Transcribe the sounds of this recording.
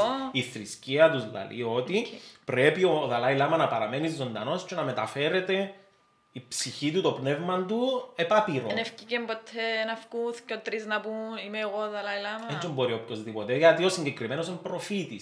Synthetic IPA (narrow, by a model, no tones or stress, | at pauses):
iθɾisciɐt̪uzlɐ̰lḭo̞t̪ipɾe̞pio̞ðɐlɐilɐmɐnɐpɐɾɐme̞nizːo̞nd̪ɐno̞st͡ʃe̞nɐme̞t̪ɐfe̞ɾe̞t̪e̞ | ipsiçit̪ut̪o̞pne̞vmɐnd̪uepɐpiɾonefcicembot̪ʰːenɐfkuθcot̪ɾiznɐpuimeːɣoðɐlɐilɐmɐeɲt͡ʃombo̞ɾiopkozðipot̪eʝɐt̪io̞siɲɟekɾimeno̞sempɾo̞fit̪is